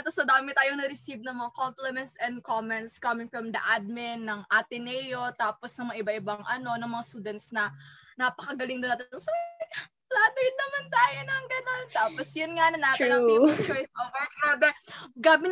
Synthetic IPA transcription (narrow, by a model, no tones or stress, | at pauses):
ɛt̪osod̪aːmɪt̪aːjoŋnɐɾɪsib̚nɐŋmɐŋakomplɛmɛnt̪sɛnd̪̚komɛnt̪skɐmɪŋfɹɐmd̪ɐ̰ʔad̪̚mɪnːɐŋʔat̪ɪnɛjot̪aːposnɐŋmɐŋaʔɪbaʔɪbɐŋʔɐno̞nɐŋmɐŋast̪uːd̪ɛnt̪snɐnapɐkɐɡɐlɪŋd̪ʊnaːt̪ɪɐŋsɐ | laːd̪ojɪnːɐmant̪aːjonɐŋɡɐnont̪aːposjʊnŋanɐnaːt̪ɪɐikɐmɛsomɐaːbɛɡaːbɪ